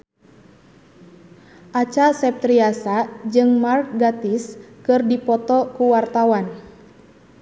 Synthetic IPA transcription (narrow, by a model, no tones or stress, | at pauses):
ʔat͡ʃasɛp̚t̪ɾiasad͡ʒɨŋmark̚ɡat̪iskɨrdipɔt̪ɔkuwart̪awan